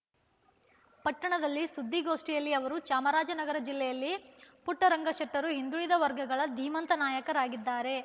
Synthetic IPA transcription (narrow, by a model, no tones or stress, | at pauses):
pɐʈːɐɳɐd̪ɐlːisud̪ʱːiɡo̞ːʂʈijɐlːiɐʋɐɾut͡ʃaːmɐɾaːd͡ʒɐnɐɡɐɾɐd͡ʒilːɛjɐlːipuʈːɐɾɐŋɡɐʂɐʈːɐɾuɦind̪uɭid̪ɐʋɐɾɡʱɐɡɐɭɐd̪ʱiːmɐnt̪ɐnaːjɐkɐɾaːɡid̪ːaːɾe̞